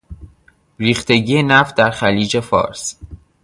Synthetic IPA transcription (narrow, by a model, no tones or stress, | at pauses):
ɾiːxt̪e̞ɟiːjenæft̪̚d̪æɾxæliːd͡ʒe̞fɒ̰ːɾs